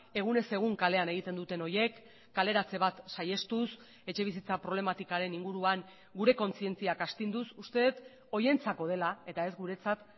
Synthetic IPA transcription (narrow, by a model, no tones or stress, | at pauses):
e̞ɣ̞une̞se̞ɣ̞uŋkale̞ane̞ɣ̞it̪e̞nd̪ut̪e̞no̞je̞kː | ale̞ɾat͡se̞β̞at̪saje̞st̪us | e̞t͡ʃe̞β̞isit͡sapɾo̞β̞le̞mat̪ikaɾe̞niŋɡuɾuaŋ | ɡuɾe̞ko̞nt͡sie̞nt͡siakast̪ind̪usust̪e̞t̪ | o̞je̞nt͡sako̞ð̞e̞lae̞t̪ae̞zɡuɾe̞t͡sat̪